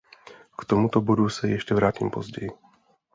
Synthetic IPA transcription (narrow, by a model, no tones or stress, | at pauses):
kt̪omut̪obodusɛjɛʃcɛvɾaːciːmpozɟɛji